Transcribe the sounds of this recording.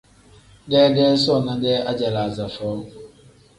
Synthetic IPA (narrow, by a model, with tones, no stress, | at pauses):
dɛː˦dɛ˦sɔ˦˨na˦dɛ˦ʔa˦d͡ʒa˨la˨za˨fɔː˦